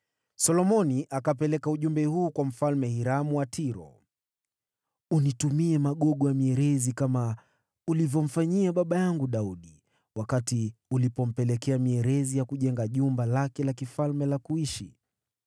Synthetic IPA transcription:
sɔlɔmɔniʔakapɛlɛkauʄumbɛhuːkwam̩falmɛhiɾamuwatʰiɾɔ̰ | unitumiɛmaɠɔɠɔjamiɛɾɛzikama | ulivjɔm̩faɲiaɓaɓajaŋɡuɗauɗi | wakatiulipɔm̩pɛlɛkɛamiɛɾɛzijakuʄɛŋɡaʄumbalakɛlakifalmɛlakuiʃi

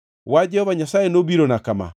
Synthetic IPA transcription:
wad͡ʒɛhɔvaɲasaenoβiɾɔnakama̰

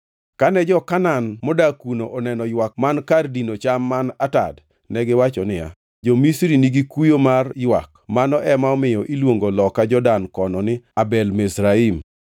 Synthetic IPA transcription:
kanɛd͡ʒɔkananmɔdakunoʔɔnɛnɔjwak̚mankardinot͡ʃamːanata̰d | nɛɡɪwat͡ʃɔnɪja̰ | d͡ʒɔmisɾiniɡikujomarjwa̰kmanɔʔɛmaɔmɪjɔʔilwoŋɡolɔkːad͡ʒɔdankɔnɔnɪabɛlmesɾaim

